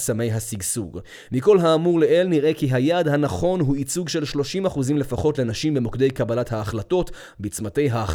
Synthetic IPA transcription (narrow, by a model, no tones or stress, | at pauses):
same̞jɦasiɡsṵʁ | miko̞lɦaːmuʁleʔelniʁʔekiɦajadhanaχo̞nɦuit͡suɡʃe̞lʃlo̞ʃimaχuzimle̞faχo̞tle̞naʃimbemokde̞jkabalathaːχlato̞t | bit͡smate̞jɦa